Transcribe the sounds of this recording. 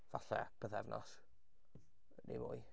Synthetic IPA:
vaɬɛb̥əðɛvnɔs | nemʊːj

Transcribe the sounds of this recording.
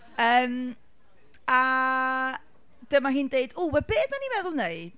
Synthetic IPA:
əːm | a | d̥əmaɦiːndeɨduwɛbeːdnanimɛðʊlˠneɨd̥

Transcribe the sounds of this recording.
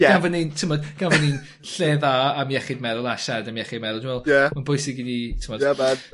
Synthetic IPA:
jɛɡanvənintʰəmɔd̥ɡ̥anvənin | ɬeːðaːmjɛχɪdmɛðʊlˠaʃadamjɛχɪdmɛðʊlˠduwvɛlˠjɛmanbʊjsɪɡinitʰəmɔdɛa

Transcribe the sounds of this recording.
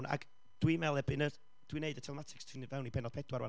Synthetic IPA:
na̰ɡ̥ | d̥wimɛlˠɛbɨnə | d̥wineɨdətʰɛlˠɛmatʰɪ̥kstʰɪnivawnibɛnɔd̥pʰɛdwaɾwa̰

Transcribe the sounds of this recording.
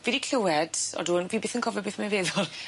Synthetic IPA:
vedikʰlɪwɛd̥ɔ̰duːnviːbeːθənkʰɔvɛbeːθmɛveːðɔlˠ

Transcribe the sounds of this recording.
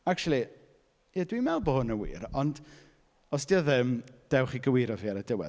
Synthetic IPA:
ak̚t͡ʃulˠi | jadwimɛlˠboʊnəwḭːɾɔnd | ɔsd̥iɔðɪmd̥ɛwχiɡəwiːɾɔviːaɾədɪwɛ̰

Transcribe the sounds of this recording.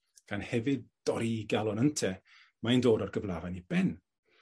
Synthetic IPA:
ɡ̥anhɛvɨd̚d̥ɔɾiɡalˠɔnəntʰɛ | majndoːɾɔrɡəvlˠavanibɛn

